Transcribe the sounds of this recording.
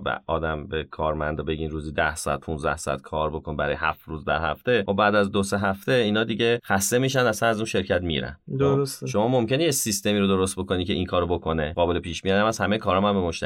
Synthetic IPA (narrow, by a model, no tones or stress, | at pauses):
bæ̰ʔɒ̰ːd̪æmbekʰɒːɾmænd̪ɒbe̞ɟiːnɾuːziːd̪æhsɒæ̰d̪̚pʰunzd̪æ̰hsɒ̰æ̰t̪̚kʰɒːɾbo̞kʰo̞nbæɾɒːjehæ̰ft̪ɾuːzd̪æ̰ɾhæ̰ft̪e̞xobbæːd̪æzd̪ose̞ɦæft̪e̞iːnɒːd̪iɟe̞χæst̪e̞miʃ̬ænd̪æsænæzunʃe̞ɾcʰæt̪mḭɾæ̰nd̪oɾost̪ʃo̞mɒːmo̞mce̞nejesist̪e̞miːɾod̪oɾost̪̚bo̞ko̞nicʰe̞iŋkʰɒːɾobokʰo̞ne̞ɢɒːbe̞lepʰiːʃmijɒd̪æmæz̥hæmeekʰɒːɾɒːmæmbemoʃt̪ʰæ